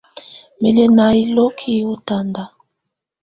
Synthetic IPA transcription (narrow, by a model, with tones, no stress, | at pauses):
mɛ˨lɛ˨na˨i˦lo˦kʰi˦u˦ta˦˨nda˨